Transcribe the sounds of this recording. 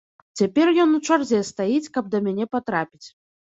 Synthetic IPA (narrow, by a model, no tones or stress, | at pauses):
t͡sʲapʲɛrjɔnut͡ʂarzʲɛst̪ajit͡sʲkɐb̚d̪ɐmʲanʲɛpat̪ɾapʲit͡sʲ